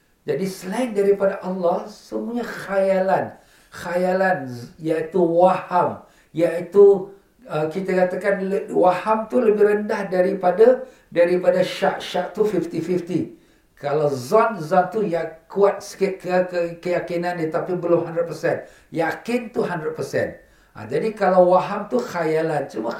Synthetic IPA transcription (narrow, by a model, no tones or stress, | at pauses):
d͡ʒadislɛŋdaɾipadaʔalːahsəmũaɲaxajalan | xajalanjait̪uwaham | jaʔit̪u | əkit̪akat̪akanwahamt̪uləbɪhɾəndahdaɾipada | daɾipadaʃaʔʃaʔt̪ufift̪ifift̪i | kalawzɔnzɔnt̪ujakuat̪̚sə̥kɪt̪̚kəəkəjakinãnjət̪apibəlʊmhandɾət̪̚pəsɛn | jakɪnt̪uɦandɾət̪̚pəsɛ̰n | ʔa̰d͡ʒadikalawwaɦamt̪uxajalant͡ʃuma